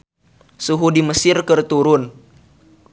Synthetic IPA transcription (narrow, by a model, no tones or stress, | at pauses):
suɦudiməsɪrkərt̪uɾʊn